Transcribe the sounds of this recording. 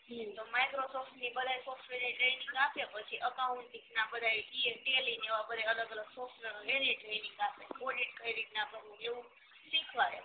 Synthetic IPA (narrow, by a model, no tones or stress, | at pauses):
t̪omajkɾosɔfʈnibəd̪ʱajsɔfʈʋeleʈɾenĩŋɡapepət͡ʃʰiʔəkauɳʈniknabəd̪ʱajieʈelineʋapəɾeələɡələɡsɔfʈʋeɦeleʈɾeniŋɡapʰeoɖiʈ̚kɾeɖiʈ̚nakəɾʋũd͡ʒeʋũ | sikʰʋaɦe